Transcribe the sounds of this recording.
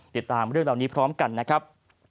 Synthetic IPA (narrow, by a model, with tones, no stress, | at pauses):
t̪i˨˩t̪ːaː˧mɾɯ˥˩əŋɾaː˨˩wniː˦˥pʰɾɔː˦˥mka˧nːa˦˥kʰɾa˦˥p̚